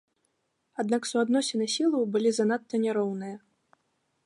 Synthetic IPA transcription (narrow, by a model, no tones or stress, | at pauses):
ad̪naksuad̪nɔsʲinɨsʲilˠɐwbɨlʲizanat̪ːɐnʲaɾɔwnɨjɐ